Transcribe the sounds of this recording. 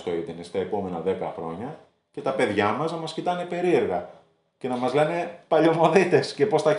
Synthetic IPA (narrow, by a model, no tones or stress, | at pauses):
st̪o̞it̪inest̪ɐe̞po̞me̞nɐðe̞kɐxɾo̞ɲɐ | ce̞t̪ɐpe̞ðʝɐmɐznɐmɐscit̪ɐne̞pe̞ɾie̞ɾɣɐ | ce̞nɐmɐzle̞ne̞pɐʎo̞mo̞ðit̪e̞sce̞po̞sθɐ